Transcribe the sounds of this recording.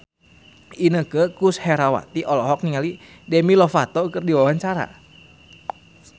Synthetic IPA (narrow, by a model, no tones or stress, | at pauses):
inəkəkushɛɾawa̰t̪iʔɔlɔɦɔk̚niŋali | demilɔfat̪ɔkərdiwawaɲt͡ʃaɾa̰